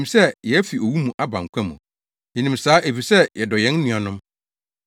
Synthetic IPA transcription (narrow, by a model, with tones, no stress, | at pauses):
ĩ˨msɛ˦jɛ˨æ˦fi˨o˨wu˦mũ˨ʔa˦bã̰˨ŋ̩˨kʷʰã˦mṵ̃˨ | jɪ˨nĩ˨m̩saː˦ʔe˨fi˨sɛ˦jɛ˨dɔ˨jɛ̃˦n̩˦nĩ˨a˨nʊ̃˦m